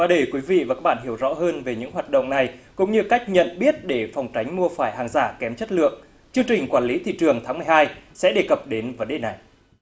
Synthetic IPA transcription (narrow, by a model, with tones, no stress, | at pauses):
vaː˨˩ɗə˧˩jkwi˨˦vḭ˧˨vaː˨˩ka˦˥k̚ɓaː˧˨nhi˧˩əwzɔ̰˧˥ɦəː˧nve˨˩ɲɨ̰˧˥ŋɦwaː˨˩t̚ɗə̰˧˨wŋ͡mna˨˩jkʊ̰˧˥ŋ͡mɲɨ˧ka˦˥jk̟̚ɲə̰˧˨nɓi˦˥ət̚ɗe˧˩fa˨˩wŋ͡mt͡ɕa˨˦jŋ̟mu˧əfaː˧˩jɦaː˨˩ŋzaː˧˩kɛ˨˦mt͡ɕə˦˥t̚lɨ̰˧˨əŋ | t͡ɕɨ˧əŋt͡ɕï˨˩ŋ̟kwaː˧˩nli˨˦t̪ʰḭ˧˨t͡ɕɨ˨˩əŋt̪ʰaː˨˦ŋmɨ˨˩ə˩haː˧jsɛ̰˧˥ɗe˧˩kə˨˩p̚ɗe˨˦nvə˨˦nɗe˨˩na˨˩j